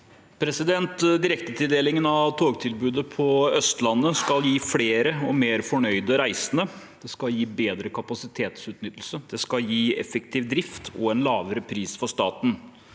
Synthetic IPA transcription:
pʰɾɛsɪd̪ɛnt̪d̪ɪɾɛk̚t̪ət̪ʰɪld̪eːlɪŋənɑʋt̪ʰoːɡt̪ʰɪlbʉːd̪əpʰɔœst̪lɑnːəskɑljiːfleːɾəɔmeːɾfɔɳœʏd̪əɾæɪsənəd̪̥ɛskɑljiːbeːd̪ɾəkʰɑpɑsɪt̪ʰeːt̪sʉːt̪nʏt̪ːl̩səd̪̥ɛskɑljiːɛ̰fɛk̚t̪ʰiːʋd̪ɾɪft̪ʰɔ̰ɛnlɑːʋəɾəpʰɾiːsfɔʂt̪ɑːt̪n̩

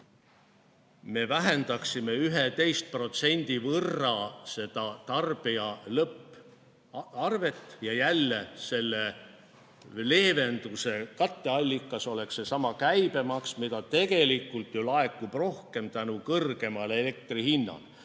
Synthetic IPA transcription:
me̞væɦe̞nd̪̥ɑksime̞yɦet̪e̞jst̪̚pro̞t̪se̞nʲd̪̥ivɤrːɑse̞d̪̥ɑt̪ɑrb̥iɑlɤpːˑ | ɑrve̞t̪ˑːjɑjælːese̞lːe | le̞ːve̞nd̪use̞kɑt̪ːe̞ɑlʲːikːˑɑso̞le̞kse̞sɑmɑkæjb̥e̞mɑksmid̪ɑt̪e̞ɡe̞likːˑult̪ˑjulɑe̞kːub̥ro̞hke̞mt̪ænukɤrɡ̥e̞mɑle̞le̞k̚t̪rihinːɑ̰l

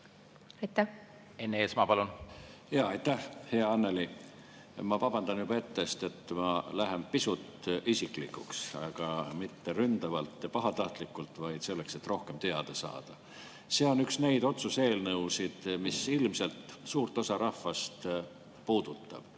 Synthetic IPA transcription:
ɑjt̪ːæh | enːeːsmɑpɑlunjɑːɑjt̪ːæhhe̞ɑɑnːe̞li | mɑpɑb̥ɑnd̪̥ɑnjub̥ɑe̞t̪ːest̪e̞t̪mɑlæɦe̞mpisut̪isiklikːuksɑ̰ɡ̥ɑmit̪ːe̞ɾynd̪̥ɑvɑlt̪ːjɑpɑɦɑt̪ɑht̪likːˑult̪ˑvɑjd̪se̞lːe̞kse̞t̪ːˑro̞hkemt̪e̞ɑd̪̥esɑ̰ːd̪̥ɑ | seːo̞nyksne̞jd̪̥o̞t̪suse̞ːlnɤwsid̪̥misilmse̞lt̪suːrt̪ˑo̞sɑɾɑhfɑst̪ | puːd̪̥ut̪ˑːɑ̰b̥

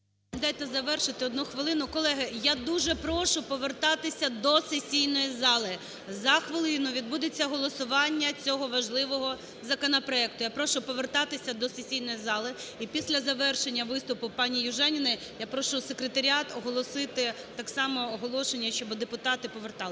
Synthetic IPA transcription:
d̪ɑjt̪ɛzɐʋɛrʃɪt̪ɪɔd̪nuxʋɪlˠɪnʊkɔlˠɛɦɪjad̪uʒɛpɾɔʃʊpɔʋert̪ɑt̪ɪsʲɐd̪ɔsesʲijnɔjizɑlˠɪ | zɐxʋɪlˠɪnʊʋʲid̪̚bud̪et͡sʲːɐɦɔlˠɔsʊʋɑnʲːɐt͡sʲɔɦɔʋɐʒlˠɪʋɔɦɔ | zɐkɔnɔpɾɔɛk̚t̪ʊjapɾɔʃʊpɔʋert̪ɑt̪ɪsʲɐd̪ɔsesʲijnɔjizɑlˠɪipʲisʲlʲɐzɐʋɛrʃenʲːɐʋɪst̪ʊpʊpɑnʲijʊʒɛnʲinɪ | japɾɔʃʊsekɾet̪ɐɾʲɑt̪ɔɦɔlˠɔsɪt̪ɪ | t̪ɑksɑmɔːɦɔlˠɔʃenʲːɐʃt͡ʃɔbd̪epʊt̪ɑt̪ɪpɔʋert̪ɑlˠɪ

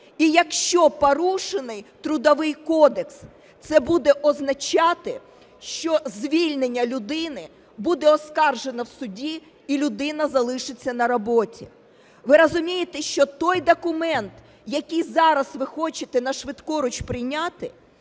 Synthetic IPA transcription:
ijɐkʃt͡ʃɔpɔɾuʃenɪjt̪ɾʊd̪ɔʋɪjkɔd̪eks | t̪sɛbud̪ɛʔɔznɐt͡ʃɑt̪ɪ | ʃt͡ʃɔzʲʋʲilʲnenʲːɐlʲʊd̪ɪnɪ | bud̪ɛɔskɑrʒe̞nɐwsʊdʲi | ilʲʊd̪ɪnɐzɐlˠɪʃɪt͡sʲːɐnɐɾɔbɔtʲḭ | ʋɪɾɔzʊmʲijet̪ɛʃt͡ʃɔt̪ɔjd̪ɔkʊmɛnt̪ | jɐkʲɪjzɑɾɐsʋɪxɔt͡ʃɪt̪ɛnɐʃʋɪd̪kɔɾʊt͡ʃpɾɪjnʲɑt̪ɪ

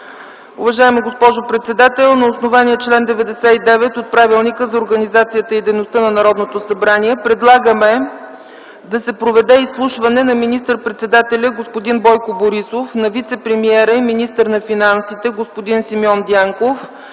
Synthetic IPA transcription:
ʊvɐʒaɛmiɡospɔʒopɾɛt̪sɛd̪at̪ɛlˠnɐosnovaniɛt͡ʃlɛnd̪ɛvɛd̪ɛsɛid̪ɛvɛt̪ot̪̚pɾavilˠnikəzɐoɾɡənizat̪sijət̪əid̪ɛjnost̪ənɐnɐɾɔd̪not̪osɐbɾaniɛpɾɛd̪lˠaɡəmɛ | d̪ɐsɛpɾovɛd̪ɛislˠuʃvɐnɛnɐminist̪əɾpɾɛt̪sɛd̪at̪ɛlʲɐɡospʊd̪inbɔjkoboɾisofnɐvit̪sɛpɾɛmiɛɾəiminist̪əɾnɐfinansit̪ɛɡospʊd̪insimiɔnd̪iaŋkof

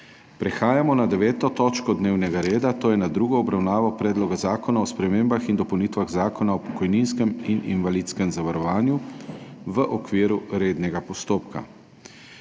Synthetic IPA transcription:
pɾɛxaːjamɔnad̪ɛʋɛːt̪ɔt̪ɔːt͡ʃkɔd̪neːwnɛɡaɾeːd̪at̪oːjɛnad̪ɾuːɡɔɔbɾawnaːʋɔpɾɛːd̪lɔɡazaːkɔnaɔspɾɛmeːmbaxind̪ɔpɐwnit̪ʋaɣzaːkɔnaɔpɔ̥kɔjninskɛminḭnʋalit̪skɛmzaʋaɾɔʋaːnju | ʋəʔɔkʋiːɾuɾeːd̪nɛɡapɔst̪oːpka̰

